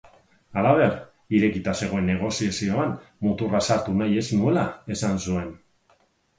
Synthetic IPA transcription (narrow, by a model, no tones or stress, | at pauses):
alaβ̞e̞r | iɾe̞kit̪ase̞ɣ̞o̞e̞nːe̞ɣ̞o̞siasio̞anmut̪urasaɾt̪unaje̞snue̞lae̞sansue̞n